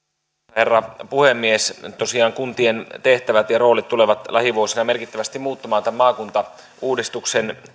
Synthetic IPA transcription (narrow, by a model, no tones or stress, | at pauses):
herːɑpuhemːiest̪osiɑːŋkunt̪ient̪e̞ht̪æʋæt̪jɑro̞ːlit̪tːuleʋɑt̪lɑhiʋuosinɑmerkit̪ːæʋæst̪imuːt̪ːɑmɑːnt̪æmmːɑːkunt̪ɑ | uːdist̪uksen